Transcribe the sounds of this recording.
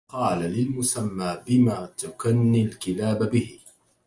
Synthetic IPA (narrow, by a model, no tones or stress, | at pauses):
qɑːlalɪlmʊsamːaːbɪmaːt̪ʊkanːilkɪlaːbabɪhɪ